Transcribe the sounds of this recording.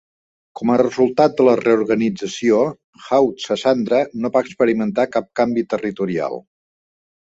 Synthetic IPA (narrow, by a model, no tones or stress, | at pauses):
kɔmərəzulˠt̪at̪̚d̪ələrəuɾɣənid͡zəsio | xawt̪səsand̪ɾənoβaəkspəɾimənt̪akap̚kambit̪ərit̪uɾia̰lˠ